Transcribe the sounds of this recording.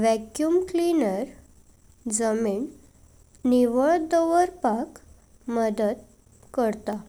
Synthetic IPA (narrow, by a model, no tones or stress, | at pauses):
ʋɛkjuːmklinəɾ | d͡zəmiːɳ | niʋəɭd̪ɔʋəɾpak | məd̪əd̪̚ | kəɾt̪a